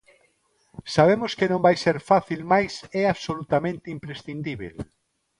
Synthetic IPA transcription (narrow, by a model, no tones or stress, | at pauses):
saβemʊskɪnõmbajseɾfaθilmajsɛaβsolut̪amẽnt̪ɪimpɾesθind̪iβḛl